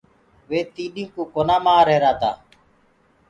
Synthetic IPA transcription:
ʋeːt̪iːɗĩːkuːkoːnaːmaːɾeːɾaːt̪a̰ː

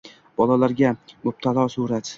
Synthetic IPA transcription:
b̥ɒlalaɾɡʲamʊb̚t̪ʰalˠɒsuɾat̪

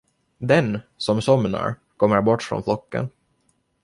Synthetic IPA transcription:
d̪ɛnsɔmsɔmna̰ɾ | kʰɔmːəɾbɔʈːfɾɔ̰ːnflɔkːə̰n

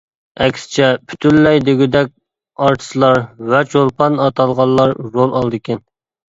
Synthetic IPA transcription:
ɛkʲsɪ̥t͡ʃʰɛpʰy̥t̪ʰylːɛjd̪eɡʲyd̪ɛk̚ʲ | ɑɾt̪ʰɨ̥slˠɑɾvɛt͡ʃʰolˠpʰɑnɑt̪ʰɑlˠʁɑlˠːɑɾːolˠɑlˠd̪ɨkʲʰɛn

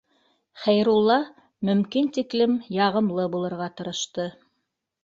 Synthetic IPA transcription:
χæjɾulˠːɑ | mɵ̆mkint̪iklɘmjɑʁɤ̆mlˠɤbulˠɤ̆ɾʁɑt̪ɤ̆ɾɤ̆ʃt̪ɤ

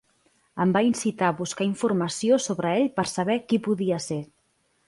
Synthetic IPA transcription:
əmbainsit̪aβuskaiɱfurməsiosoβɾəeʎpəɾsəβɛkipuðiəse

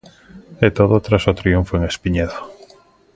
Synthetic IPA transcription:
ɛt̪oðot̪ɾasot̪ɾiuɱfoeŋespiɲɛðo

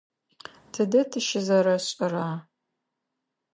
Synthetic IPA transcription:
tʰɨdɐtʰɨʃɪzɐɾɐɕʼɪraː

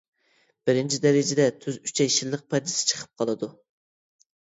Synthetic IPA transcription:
b̥ɪɾɪnt͡ʃʰid̪ɛɾɪd͡ʒɛd̪ɛt̪ʰyzyt͡ʃʰɛjʃilˠːəq̚pʰɑd̪ɪsɪ̥t͡ʃʰə̥qʰə̥p̚qʰɑlˠɨd̪u

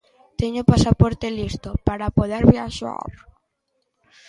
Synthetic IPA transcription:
t̪eɲopasapɔɾt̪elist̪opaɾapoðeɾβjaʃa̰

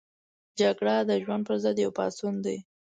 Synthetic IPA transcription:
d͡ʒaɡɽad̪əʒwand̪̚pəɾzəd̪jawpɑ̰sund̪ej

